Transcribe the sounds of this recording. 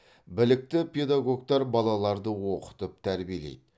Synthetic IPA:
bɪlɪk̚t̪ɪpʰʲed̪aɡo̞ɡt̪ɑɾbɑlˠɑlˠɑɾd̪əwo̞qə̥t̪əp̚t̪ʰæɾbijelḛjd̪

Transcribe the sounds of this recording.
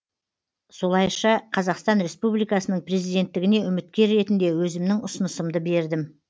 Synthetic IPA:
so̞lˠɑjʃɑqʰɑzɑqst̪ɑnɾe̞spublijkɑsənəɴpre̞zijd̪e̞nt̪ːɪɡʲɪne̞ʏmɪt̪̚kʲe̞ɾːe̞t̪ɪnd̪e̞wɵzɪmnɪŋʊsənəsəmd̪əbe̞ɾd̪ɪm

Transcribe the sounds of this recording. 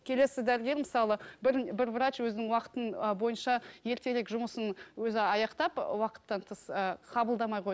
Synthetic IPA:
kʲʰe̞le̞sːɪd̪æɾɪɡʲe̞ɾmɪsɑlˠəbɪɾbɪɾvɾat͡ʃwɵzɪnɪŋwɑqə̥t̪ənbo̞jənʃɑje̞ɾt̪e̞ɾekʒʊməsənwɵzɪɑjɑqt̪ɑpwɑqə̥t̪ːɑnt̪ʰəsəqʰɑbəlˠd̪ɑmɑjʁo

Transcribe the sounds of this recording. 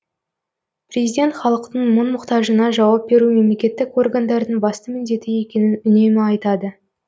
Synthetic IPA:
prʲe̞zijdʲe̞nt̪χɑlˠəqt̪əɴmʊnmʊqt̪ɑʒənɑʒɑwɑp̚be̞ɾume̞mle̞kʲe̞t̪ːɪko̞rɡand̪ɑɾd̪əɴbɑst̪əmɪnd̪e̞t̪ɪje̞kʲe̞nɪnʏne̞mɪɑjt̪ɑd̪ə

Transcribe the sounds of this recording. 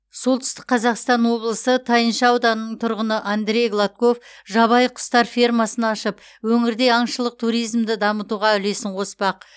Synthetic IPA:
so̞lˠt̪ʰʏ̥st̪ɪ̥k̚qʰːɑzɑqst̪ɑnwo̞blˠəsət̪ʰɑjənʃɑːwd̪ɑnnːəɴt̪ʰʊɾʁənəʔand̪ɾʲe̞jɡlˠat̪̚ko̞fʒɑβɑjqʰʊ̥st̪ɑɾfʲirmɑsənɑʃəp | wɵŋɪɾd̪e̞ɑɴʃəlˠəq̚t̪ʰuɾijzmd̪ɪd̪ɑmət̪uʁɑʏle̞sɪɴqʰo̞spɑq̚

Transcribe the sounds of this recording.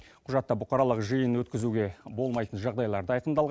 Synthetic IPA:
qʰʊʒɑt̪ːəbʊqɑɾɑlˠəqʒəjənwɵt̪̚kʲɪzuɡʲe̞bo̞lˠmɑjt̪ənʒɑʁd̪ɑjlˠɑɾd̪əɑjqəmd̪ɑlˠʁ

